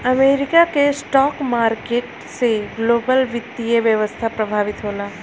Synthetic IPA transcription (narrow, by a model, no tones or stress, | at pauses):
əmeɾikakesʈɔkmaɾkeʈ | seɡlobəlʋit̪ːieʋjəʋəst̪ʰapɾəbʱaʋit̪ɦola